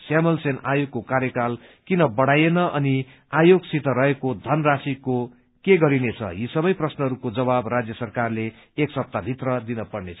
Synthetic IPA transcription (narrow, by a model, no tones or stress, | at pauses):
samʌlsenajoɡ̚kokaɾjʌkalkinʌbʌɽajenʌʔʌni | ajoɡsit̪ʌɾʌɦekod̪ʱʌnrasiko | keɡʌɾinet͡sʰʌ̰jisʌbʌjprʌsnʌɦʌɾukod͡zʌbabrad͡zjʌsʌrkarle | eksʌp̚t̪abʱit̪rʌd̪inʌpʌɽnet͡sʰʌ̥